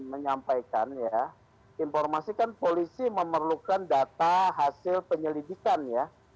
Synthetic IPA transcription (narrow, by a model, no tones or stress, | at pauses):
məɲampajkanja | infɔrmasikanpolisiməmərlukandat̪aɦasɪlpəɲəlidikanja